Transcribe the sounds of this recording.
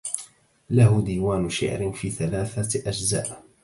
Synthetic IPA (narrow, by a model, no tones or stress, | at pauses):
lahʊd̪iːwaːnʃɪ̰ʕɾɪfiːθalaːθaʔad͡ʒza̰ːʔ